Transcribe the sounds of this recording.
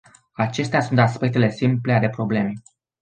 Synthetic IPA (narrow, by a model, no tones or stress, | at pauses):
at͡ʃe̞st̪easunt̪aspe̞k̚t̪ele̞simplead̪e̞pɾo̞ble̞me